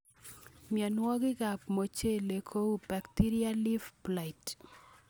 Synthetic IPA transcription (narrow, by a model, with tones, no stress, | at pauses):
mja˨nwɔ˦ɡɪ˦ɡa˨p̚mo˨t͡ʃe˦le˨kʰo˦u˦ba˨kti˦ɾi˦a˦li˦fpla˨ɪt